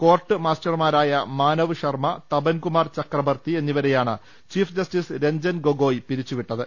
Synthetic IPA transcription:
ko̞ːrʈːɨmaːstɐrmaːɾaːjɐmaːnɐʋɨɕɐrmɐt̪ɐbɐnkumaːrt͡ɕɐkrɐʋɐrt̪ie̞nːiʋɐɾe̞jaːɳɨ̰ | t͡ɕiːfd͡ʑɐstisɾe̞ɲd͡ʑɐnɡo̞ɡo̞ːjpiɾit͡ɕːuʋiʈːɐðɨ

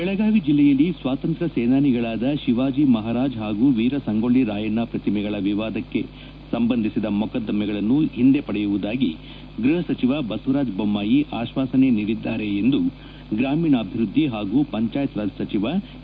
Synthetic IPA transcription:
bɛɭɐɡaːʋid͡ʒilːɛjɐlːisʋaːt̪ɐnt̪ɾɐseːnaːniɡɐɭaːd̪ɐʃiʋaːd͡ʒimɐɦaːɾaːd͡ʒɦaːɡuːʋiːɾɐsɐŋɡoɭiɾaːjɐnːapɾɐt̪imɛɡɐɭɐʋiʋaːd̪ɐkːe̞ | sɐmbɐnd̪ʱisid̪ɐmɔkɐd̪ːɐmɛɡɐɭɐnːuɦind̪e̞pɐɽɛjuʋud̪aːɡi | ɡɾuɦɐsɐt͡ʃiʋɐbɐsuɾaːd͡ʒbɐmːaːjiʔaːʃʋaːsɐne̞niːɽid̪ːaːɾe̞end̪u | ɡɾaːmiːɳɐːbʱiɾud̪ʱːiɦaːɡuːpɐɲt͡ʃaːjɐt̪ɾɐsɐt͡ʃiʋɐ

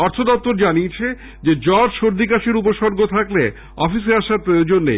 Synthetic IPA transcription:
ɔɾt̪ʰod̪ɔp̚t̪ːoɾd͡ʑaniet͡ɕʰe | d͡ʑed͡ʑɔɾʃoɾd̪ikaʃeɾup̬oʃɔɾɡʱot̪ʰakle | ɔ̰fis̬eaʃaɾd͡ʑonːḛ

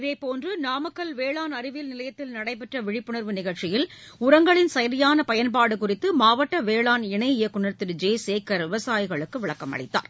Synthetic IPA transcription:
ɪðeːpoːndrɯnaːmɐkːɐlʋeːɭaːnɐɾɪʋɪlnɪlɐjɐt̪ːɪlnɐɽɐɪpːɛʈrɐʋɪɻɪpːʊɳɐɾʋɯnɪɣɐɭt͡ʃːɪjɪlʊɾɐŋɡɐɭɪnsɐjɐɾɪjaːnɐpɐjɐnpaːɽɯkʊrɪt̪ːɯmaːʋɐʈːɐʋeːɭaːnɪɳɐɪɪjɐkːʊɳɐɾt̪ːɪɾd͡ʒeːseːkːɐɾʋɪʋɐsaːjɪɣɐɭɯkːɯʋɪɭɐkːɐmɐ̰ɽɪ̰t̪ːa̰ːɾ

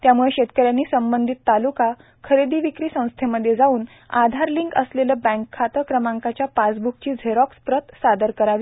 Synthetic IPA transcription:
t̪jamuɭeɕet̪kəɾjanːiːsəmbənd̪ʱit̪ːaluka | kʰəɾed̪iːʋikɾiːsə̃w̃st̪ʰeməd̪ʱjed͡zauːn | ad̪ʱaɾliŋkə̰sleləbə̃ŋkʰːat̪əkɾəmãŋkat͡ɕjapat͡sbuk̚t͡ɕiːd͡zʱeɾɔkspɾət̪sad̪əɾkəɾaʋi

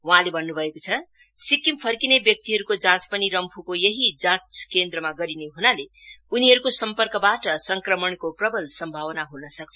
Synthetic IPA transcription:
wʌɦãlebʱʌnːubʱʌekot͡sʰʌ | sikimpʰʌrkinebjʌk̚t̪iɦʌɾukod͡zãt͡spʌniɾʌmpʰukojeɦid͡zãt͡skend̪rʌmaɡʌɾineɦunale | uniɦʌɾukosʌmpʌrkʌbaʈʌsʌŋkrʌmʌɳkoprʌbʌlsʌmbʱawʌnaɦunʌsʌk̚t͡sʰ

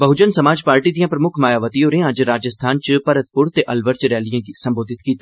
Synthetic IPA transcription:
bəɦʊd͡ʒənsəmaːd͡ʒpaːɾʈid̪ijãːpɾəmʊkʰmaːjaːʋət̪iɦoːɾẽəd͡ʒɾaːd͡ʒəst̪ʰaːnt͡ʃpəɾət̪̚pʊɾt̪eːʔəlʋəɾt͡ʃɾɛːlijãːisə̃mboːd̪ʱɪt̪kiːt̪a

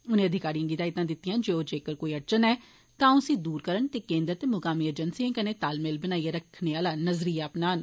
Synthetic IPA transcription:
ʊnẽːəd̪ʱɪkaːɾijãːɡid̪aːɪt̪ãːd̪ɪt̪ːijãːd͡ʒeːoːd͡ʒeːkəɾkoːiːəʈ̚t͡ʃənɛː | t̪ãːʊsĩːd̪uːɾkəɾəɳt̪eːkẽːnd̪əɾt̪emʊkaːmiːed͡ʒənsiẽkənẽːt̪aːlmeːlbənaːieɾəkʰneːaːlaːnəzɾiːaːpnaːn

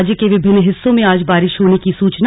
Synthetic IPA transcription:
d͡ʒkeʋɪbʱɪnːɦɪsːõmẽaːd͡ʒbaːɾɪʃɦoːnekisuːt͡ʃn

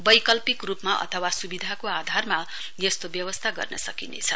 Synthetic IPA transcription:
bʌjkʌlpikrupmaʔʌ̰t̪ʰʌwasubid̪ʱakoad̪ʱarma | jʌst̪objʌwʌst̪ʰaɡʌ̰rnʌ̰sʌkinḛt͡sʰʌ

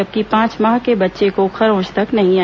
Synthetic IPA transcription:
ɐb̚kipãːt͡ʃmaːɦkebɐtːʃekoxɐɾõːt͡ʃt̪ɐknɐɦĩa

